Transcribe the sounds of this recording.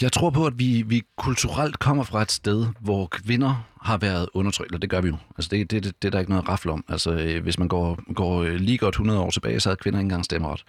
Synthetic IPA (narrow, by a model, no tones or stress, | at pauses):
jɑ̈ɪt͡sʰʁo̝ɐ̰pʰɒ̽æd̥ʋiʋikʰult͡sʰuʁal̰d̥kʰɒ̽m̰ɐfʁɑ̈e̝d̥sd̥eð̞ˠʋɒkʰʋe̝nɐhɑ̈ʋæːɐð̞̩ˠɔ̽nɐt͡sʰʁœ̰ɡ̥elɐd̥e̝ɡ̥ɶɐʋijo̝ælsəd̥e̝d̥ed̥eæɾ̥ɑe̝ɡ̥ənɔ̽ːð̩ˠʁɑ̈fl̩ɒ̽m̰ælsɒʋe̝smænɡ̥ɒ̰ːɡ̥ɒ̰ːliːɡ̥ɒd̥hunɐð̞̩ˠɒ̰ːt͡sʰe̝b̥ɛ̰ːɪsɒ̽hæð̩ˠkʰʋe̝nɐe̝n̩ɡ̥ɑ̈ŋsd̥eməʁɑd̥